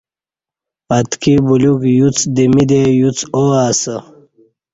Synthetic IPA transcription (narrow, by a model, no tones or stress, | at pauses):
ɐt̪kibulukjut͡sd̪imid̪ejut͡soaːsə